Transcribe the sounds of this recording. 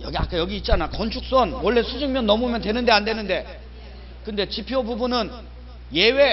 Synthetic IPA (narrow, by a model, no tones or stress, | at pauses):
jʌɡia̰k͈ajʌɡiːt̚t͡ɕ͈anakʌnt͡ɕʰuk̚s͈wʌnwʌɭːe̞sʰud͡ʑiŋmjʌnːʌmumjʌntwe̞nɯnde̞ande̞nɯnde̞ | kɯnde̞t͡ɕipʰjobubunɯn | je̞we̞